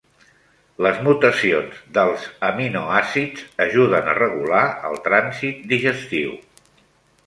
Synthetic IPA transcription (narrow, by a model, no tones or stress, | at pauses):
ləzmut̪əsionzd̪əlˠzəminoasid͡zəʒuðənə̰rəɣulaə̰lˠt̪ɾanzit̪̚d̪iʒəst̪iw